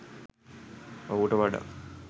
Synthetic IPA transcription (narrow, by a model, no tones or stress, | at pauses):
owuʈəʋaɖa̰